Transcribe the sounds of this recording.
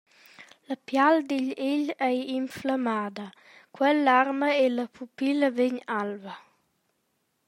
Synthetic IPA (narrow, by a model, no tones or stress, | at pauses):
ləpjald̪iʎeʎɛjimflamaːd̪ə | kwɛlːarməeləpʰupiləveɲalvə